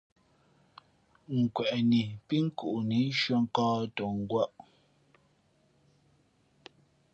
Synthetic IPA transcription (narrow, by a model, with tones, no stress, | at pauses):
ŋ̩˨kwɛ˨ʔni˨pi˦ŋ̩˦ku˨ʔni˨˦n˦ʃwɔ˦ŋ̩˦kɔː˦to˨ŋ̩˦ɡwa˦ʔ